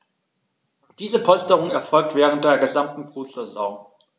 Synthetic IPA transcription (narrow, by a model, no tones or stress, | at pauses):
d̥iːzəpʰɔlstəʁʊŋɛɐfɔlk̚tv̥ɛːʁ̞ən̩t̚d̥eːɐɡəzamtn̩bʁ̥uːtzezɔ̃ː